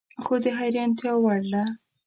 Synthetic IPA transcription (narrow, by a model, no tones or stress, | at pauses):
xod̪əɦaɾjɑnt̪jɑwaɽla